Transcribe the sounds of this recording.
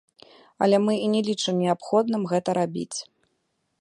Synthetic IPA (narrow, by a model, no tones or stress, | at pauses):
ɐ̰lʲɛmɨinʲɛlʲit͡ʂɨmnʲiapxɔd̪nɨmɣɛt̪ɐɾabʲḭt͡sʲ